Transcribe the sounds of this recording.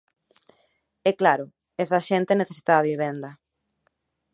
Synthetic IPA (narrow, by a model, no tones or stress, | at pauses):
ɛklaɾʊ | ɛsaʃent̪eneθesi̥t̪aaβiβ̞end̪a